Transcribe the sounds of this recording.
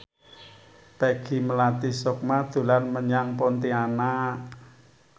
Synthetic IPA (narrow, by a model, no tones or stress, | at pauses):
pɛɡ̥i̤məlat̪isɔk̚mad̪̥ṳlanməɲaŋpɔnt̪iana